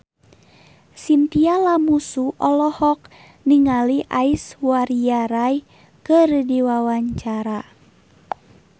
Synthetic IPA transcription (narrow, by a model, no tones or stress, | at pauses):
sint̪ialamusuʔɔlɔhɔk̚ | niŋaliʔaiswaɾiaɾaj | kərdiwawaɲt͡ʃaɾa